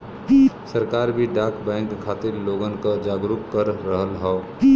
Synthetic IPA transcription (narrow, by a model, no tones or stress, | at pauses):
səɾkaːɾbʱiɖaːkʰbɛ̃ːŋkkʰːaːt̪ɪɾloːɡənkad͡ʒaːɡɾʊkkəɾːəɦəlɦɛ